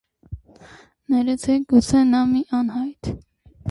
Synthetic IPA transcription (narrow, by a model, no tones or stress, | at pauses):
nɛɾɛt͡sʰɛɡut͡sʰɛnɑmiʔɑnɦɑjt̪ʰ